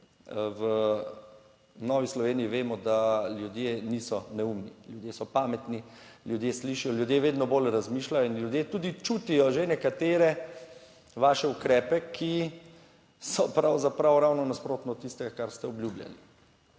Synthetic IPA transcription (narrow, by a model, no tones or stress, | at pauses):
ʋə | nɔːʋislɔʋeːnijiʋeːmɔd̪aljud̪jeːnisɔnɛumniljud̪jesɔpaːmɛt̪ni | ljud̪jeːsliːʃijɔljud̪jeːʋeːd̪nɔboːlɾazmiːʃlajɔinljud̪jeːt̪uːd̪it͡ʃuːt̪ijɔʒenɛkat̪eːɾɛ | ʋaːʃɛukɾɛːpɛkʰi | sɔpɾawzapɾawɾawnɔnaspɾoːt̪nɔt̪ːist̪ɛɡakaɾst̪ɛɔbljublʲja̰li